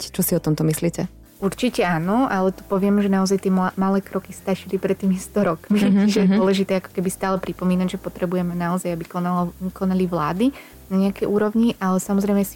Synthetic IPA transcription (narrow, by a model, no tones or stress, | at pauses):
ct͡ʃɔsiɔt̪ɔmt̪ɔmisliːcɛ | uɾt͡ʃicɛaːnɔʔalɛt̪u̥pɔʋɪɛmʒɛnaɔzajt̪ɪɛmalɛːkɾɔkist̪aʃilipɾɛt̪ːiːmist̪ɔɾɔkmit͡ʃiʒɛjɛd̪ɔɔlɛʒit̪ɛːakɔ̥kɛbist̪aːlɛpɾipɔmiːnaɟʒɛpɔt̪ɾɛbujɛmɛnaɔzajabikɔnalɔkɔnaliʋlaːd̪i | naɲɛakɛjʔuːɾɔʊɲiʔalɛsamɔzɾɛjmɛsi̥